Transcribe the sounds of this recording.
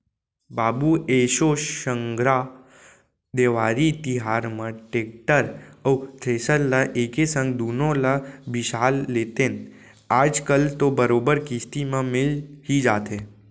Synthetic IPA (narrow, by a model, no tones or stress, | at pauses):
baːbueːʃoʃə̃ŋɡɾa | d̪eːʋaːɾit̪ɪɦaːɾmãʈeːk̚ʈəɾəwʈʰɾeːsəɾlaʔeːkesə̃ŋɡd̪uːnõlabɪʃaːlːeːt̪ẽn | aːd͡ʒkəlt̪obəɾoːbəɾkist̪imẽmɪlɦid͡ʒaːt̪ẽ